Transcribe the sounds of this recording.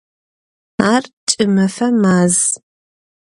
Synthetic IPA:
aːrt͡ʃʼɨmɐfɐmaːz

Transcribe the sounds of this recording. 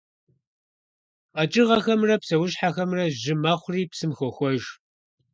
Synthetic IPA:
qɐt͡ʃʼɪʁɐxɐmrɐpsɐwʊɕħaxɐmrɐʒɪmɐχʷʊriːpsɨmxʷɔxʷɔʒ

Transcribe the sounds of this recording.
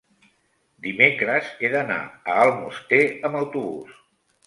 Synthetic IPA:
d̪imekɾəzeðəna̰əːlˠmust̪eəməwt̪uβṵs

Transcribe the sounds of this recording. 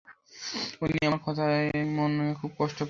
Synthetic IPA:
oliaaɾkʰɔt̪ʰamonekʰub̚kɔʃʈop

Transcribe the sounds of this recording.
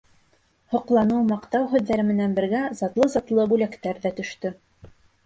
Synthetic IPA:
hŏqlˠɑnɤwmɑqt̪ɑwɦʉ̆ðːæɾɘmɘ̆nænbɘ̆ɾɡæzɑt̪lˠɤzɑt̪lˠɤbʉlækt̪æɾðæt̪ɵ̆ʃt̪ɵ

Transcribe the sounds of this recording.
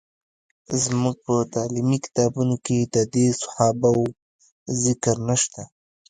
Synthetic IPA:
zmuɡ̚pət̪ɑlimikɪ̥t̪ɑbunoked̪ad̪esʊ̥hɑbaw | zɪkɾnaʃt̪a

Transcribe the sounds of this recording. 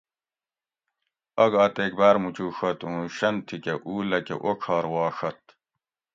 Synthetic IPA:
ɐɡaːt̪eːk̚baːɾmut͡ɕuːʂɐt̪ũːɕɐnt̪ʰikeʔuːlɐkḛʔokʰaːɾwɑːʂɐt̪̚

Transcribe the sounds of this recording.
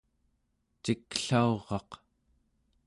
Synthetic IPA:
t͡ʃikɬaoʁɑq

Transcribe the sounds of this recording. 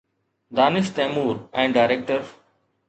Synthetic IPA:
d̪aːnɪʃt̪ɛ̃ːmuːɾɛ̃ɳɖɖaɪɾek̚ʈəɾ

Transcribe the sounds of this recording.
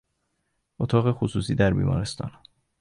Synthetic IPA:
ʔot̪ʰɒːɣexusuːsiːd̪æɾbḭːmɒ̰ːɾe̞st̪ʰɒ̰ːn

